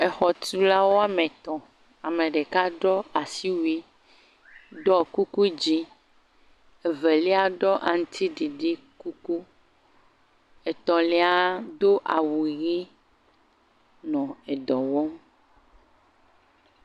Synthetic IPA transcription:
ɛ˨xɔ˨t̪u˦la˦wo˦a˦mẽ˨t̪ɔ̃˨ | a˨mẽ˨ɖe˨ka˦ɖɔ˦a˨si˦wi˦ | ɖɔ˦ku˦ku˦d͡ʑi˦ | e˨ve˨li˦a˦ɖɔ˦ʔa˨ŋ̩˦t̪ʰi˦ɖi˨ɖi˦ | ku˦ku˦ | e˨t̪ɔ̃˨li˦a˦d̪o˦ʔa̰˨wu˨ɣi˦ | nɔ̃˨e˨d̪ɔ˨wɔ˦m

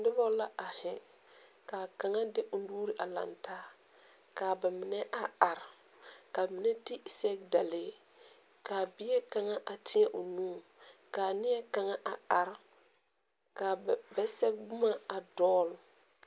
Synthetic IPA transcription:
dɪ˦bɔ˦la˦ʔa˨hɪ˨kaː˨ka˨ŋa˦dɪ˦ʔʊ˦n˦duː˦ɾi˦ʔa˨la̰˨ntʰaː˦kaː˨ba˨mɪ˨nɛ˦ʔa˦a˨ɾka˨mɪ˨nɛ˦ti˦˨sɛ˦ɡ̚da˨lɪː˦ | kaː˨bɪ˦ɛ˦ka˨ŋa˦ʔa˨tʰɪ˦ɛ˦ʔo˨nũː˦kaː˨nɪ˦ɛ˦ka˨ŋa˦ʔa˨a˨ɾ | ka˨bɛ˦sɛ˦b̚ɡ͡bʊ˦ma˦a˨dɔː˦l

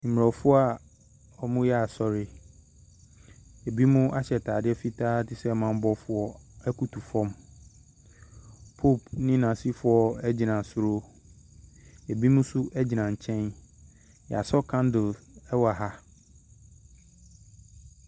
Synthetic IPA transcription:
m̩˨m˨ɔ˨fʊ˦ɔ˦a˨ | ɔ˨mʊ̃˦jɛ˦a˨sɔ˨ɾɪ˦ | e˨bi˦mʊ̃˦ʔa˦ɕɛ˨tʰaː˨dɪ˦ɛ˦fi˦tʰaː˦tɪ˦˨sɛ˦mã˦˨m˦bɔ˦fʊ˨ɔ˦ɛ˦kʰu˨tʰu˨fɔ̃˦m | pʰo˦˨pnɪ̃˦nã˨si˦fʊ˨ɔ˨ɛ˦d͡ʑi˨nã˨sʊ˨ɾo˦ | e˨bi˦mũ˦sʊ˦ʔæ˦d͡ʑi˨nã˨ɲ̩˨t͡ɕʰɛ̃˦n | jɛ̰˨a˨sɔ˦kʰã˦ndɪ˨lɛ˦wa˨ɦa˦

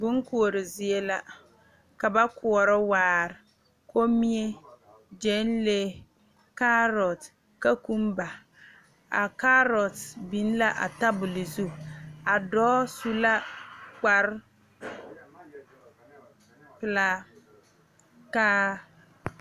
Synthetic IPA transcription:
bʊ˦ŋ˦ku˨o˨ɾɪ˨zɪ˨e˦la˦ | ka˨ba˦kʊ˨ɔ˨ɾɔ˦waː˨ɾɪ˨ | ko˦mi˦e˦ | d͡ʒɛ˦nle˦ | ka˦ɾɔ˨t | ka˦ku˦m˦ba˨ | a̰˨ka˦ɾɔ˨tbi˨˦n˦la˦ʔa̰˨ta˦bʊ˨lɪ˨zu˦˨a˨dɔː˦su˦la˦k͡pa˦ɾ | pɨ˨la˦ | ka˦

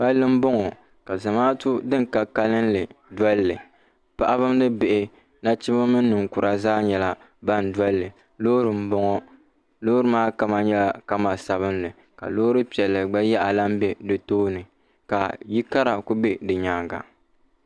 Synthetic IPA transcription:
ba˦lːɨ˦m̩˦bɔ˦ŋɔ˨ | ka˨za˨maː˦tu˦dɨ˦ŋka˦ka˦lɨ˦nlɨ˨dɔ˦llɨ˨ | pa˦ʔa˦βɨ˦m˦nɨ˦be˨ʔɪ˨ | na˦t͡ʃi˦ma˦mɨ˦n̩ː˦ɨ˨ŋku˨ɾa˦zaː˦ɲɛ˨la˦ | ba˦n˨dɔ˦llɨ˨ | loː˦ɾɨ˨m̩˦bɔ˦ŋɔ˦ | loː˦ɾɨ˦maː˦ka˦ma˦ɲɛ˦la˨˦ka˦ma˨sa˨βɨ˦nlɨ˨ | ka̰˨loː˦ɾɨ˦pi˨ɛ˨lːɨ˨ɡ͡ba˦jɛ˦ʔa˨la˦m̩˦bɛ˦dɨ˨toː˦nɨ˨ | ka˨ji˦ka˦ɾa˨ku˦be˦dɨ˨ɲaː˨ŋɡa̰˨

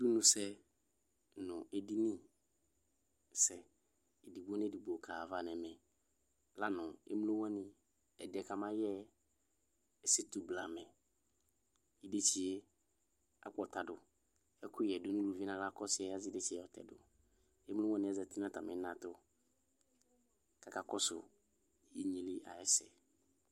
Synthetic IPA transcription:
du˦nũ˨sɛ˦ | nʊ̃˨e˨di˦nĩ˦˨ | sɛ˨ | di˨bu˦o˦n˦ɛ˦˨di˨bu˨o˨kʰaː˨va˦˨nɛ˨mɛ˨ | la˦nʊ̃˨ḛ˦m˦o˦wɛ̃˦nɪ̃˨ | ɛ˨dɛ˨ka˨mã˦jɛ˦ | ɛ˦sɪ˦tu˨bla˨mɛ˨ | i˦de˦t͡ʃi˨e˦ | a̰˨k͡pɔ˨ta˨dʊ˨ | ɛ˦kʊ˦jɛ˨dʊ˦nʊ̃˦lu˨vi˦nã˨la˦kɔ˦sɪ˨˦ɛ˦a˦zɪ˦de˦t͡ʃi˦˨ɛ˨ɔ˨tɛ̰˨dʊ˨ | e˦mlo˦wɛ̃˦nɪ̃˨ɛ˨zɛ˨ti˦nã˦ta˨mɪ̰˦nã˨tʊ˦ | ka˨ka˨kɔ˦sʊ̰˨ | i˦ɲi˨lɪ˦ʔa̰˨ɛ˦sɛ̰˨

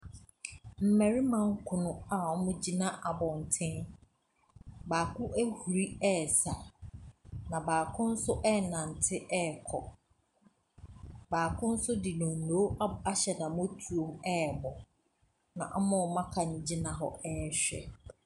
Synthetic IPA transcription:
m̩˨mɛ˨ɾi˦mã˨ŋ̩˦kʰʊ˨nʊ̃˦a˨ɔ˦mʊ̃˦d͡ʑi˦nã˦ʔa˨bɔ˨n̩˨tʰɪ̃˦ | baː˨kʰʊ̃˦ʔæ˦hu˨ɾi˦ɛ˦˨sa˨ | nã˨baː˨kʰʊ̃˦n̩˦sʊ˦ʔɛ˦˨nã˨n̩˨tʰɪ˦ʔɛ˦˨kʰɔ˨ | baː˨kʰʊ̃˦n̩˦sʊ˦di˨nɔ̃˨n̩˨no˨˦a˦ɕɛ˨nã˨mõ˦tʰu˨o˦˨mɛ˦ɛ˨bɔ˨ | nã̰˨ʔa˦mʊ̃˦ɔ˨mã˦kʰa˨nɪ̃˨d͡ʑi˦nã˨ɦɔ̰˦ɛ˦ɛ˨ɕᶣɛ̰˨

